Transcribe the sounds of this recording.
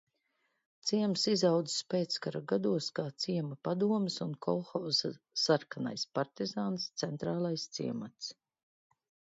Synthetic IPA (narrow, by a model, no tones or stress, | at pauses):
t̪siɛmsizawd̪zi̥spʲeːt̪skaɾaɡad̪uɔskaːt̪siɛmapad̪uɔmɪsunkʰɔlˠxawza | saɾkana̰jspaɾt̪izaːnst̪sɛnt̪ɾaːlˠajst̪sḭɛmat̪s